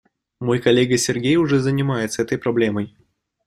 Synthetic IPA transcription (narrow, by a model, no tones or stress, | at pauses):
mo̞jkɐlʲːeɡəsʲɪrɡʲejʊʐɛzənʲɪmajɪt̪səɛt̪əjpɾɐblʲe̞məj